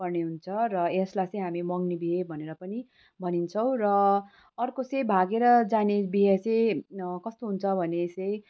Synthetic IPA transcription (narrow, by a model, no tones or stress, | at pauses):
pʌrneɦunt͡sʰʌrʌeslat͡sʌj̃ɦamimʌɡnebiɦebʱʌneɾʌpʌni | bʱʌnint͡sʰʌw̃rʌː | rkot͡sʌj̃bʱaɡeɾʌd͡zanebiɦet͡sʌjkʌst̪oɦunt͡sʰʌbʱʌnet͡sʌj̃